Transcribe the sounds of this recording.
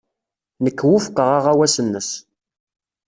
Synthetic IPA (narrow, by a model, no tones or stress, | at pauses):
nəkːwʊfə̥qəʁaʁawæsənːəs